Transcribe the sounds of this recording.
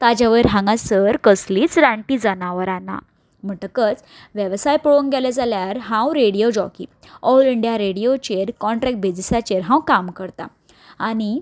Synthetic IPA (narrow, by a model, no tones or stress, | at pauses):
t̪ad͡ʑaʋəɾɦãŋɡasəɾkəsliːt͡sɾaɳʈid͡zanaʋəɾana̰ | m̤əɳʈəkət͡s | ʋjeʋsajpəɽoŋkɡɛled͡zaljaɾɦãwɾeɽijod͡ʑɔkḭː | ɔwliɳɖijaɾeɽiot͡ɕeɾkɔɳʈɾɛk̚ʈ̚bʱed͡zisat͡ɕeɾɦãwkamkəɾt̪a̰ | aɽ̃i